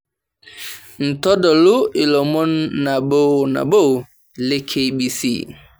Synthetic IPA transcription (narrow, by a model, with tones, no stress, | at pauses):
n̩˨tɔ˦dɔ˨lu˦i˨lɔ˨mɔ˦nːa˨ɓo˦na̰˨ɓo˦w | le˦kʰe˦ɓi˨sḭ˦